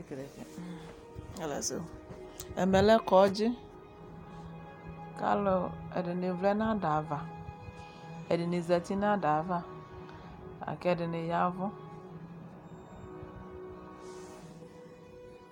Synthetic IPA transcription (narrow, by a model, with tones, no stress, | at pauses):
e˦kɾe˨kḛ˨˦˨ | la̰˨so̰˨ | ɛ̰˨mɛ˨lɛ˦kɔ˨˦d͡ʒɪ˦ | ka̰˦lo˨ḛ˨dɪ˨nɪ˨vlɛ˦nã˦da˨va˨ | e˨dɪ˨nɪ˨zɛ˨t̪i˦nã˦da˨˦va˦ | a̰˨kɛ˦˨dɪ˨nɪ˨ja˦vɔ˦